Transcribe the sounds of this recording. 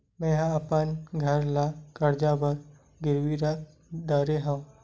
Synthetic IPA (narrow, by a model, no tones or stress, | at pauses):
mɛ̃ːɦãɐpənɡʱɐɾlakɐɾd͡ʒabəɾ | ɡɪɾʋiɾa | d̪aːɾeɦãũ